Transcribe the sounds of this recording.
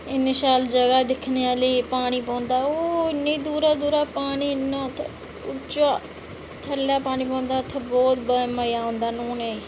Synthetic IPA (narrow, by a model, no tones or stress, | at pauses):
ɪnːiʃaːld͡ʒəɡaːd̪ɪkʰneːaːliːpaːɽ̃iːpõːnd̪aːoːɪnːĩːd̪uːɾaːd̪uːɾaːpaːɽiːɪnːãːt̪ʰ | ʊt͡ʃaː | t̪ʰəlːaːpaːniːp̬õːnd̪aːt̪ʰːebɔːt̪bəmaːjaːõːnd̪aːnoːneː